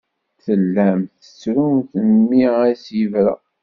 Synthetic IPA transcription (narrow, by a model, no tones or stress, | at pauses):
θəlːæmθə̥t͡sːɾumθəmːiæsjivɾæ̰